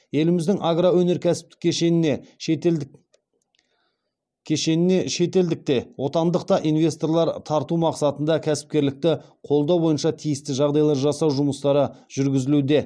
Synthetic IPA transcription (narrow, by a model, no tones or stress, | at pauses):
je̞lɪmɪzd̪ɪŋʔaɡɾawɵne̞ɾkʲʰæsɪ̥p̚t̪ɪ̥kʲʰːeʃene | kʲʰeʃe̞nɪne̞ʃe̞t̪e̞ld̪ɪk̚t̪e̞wo̞t̪ɑnd̪əqt̪ɑʔinvʲe̞st̪o̞rlˠɑɾt̪ʰɑɾt̪umɑqsɑt̪ənd̪ɑkʲʰæsɪ̥p̚kʲe̞ɾlɪk̚t̪ɪqʰo̞lˠd̪ɑwbo̞jənʃɑt̪ʰijɪst̪ɪʒɑʁd̪ɑjlˠɑɾʒɑsɑwʒʊməst̪ɑɾəʒ̥ʏɾɡʲɪzɪlud̪e̞